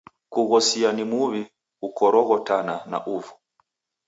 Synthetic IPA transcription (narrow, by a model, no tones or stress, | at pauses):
kuɣɔsianimuvi | ukɔɾɔɣɔtanana̰ʔuvu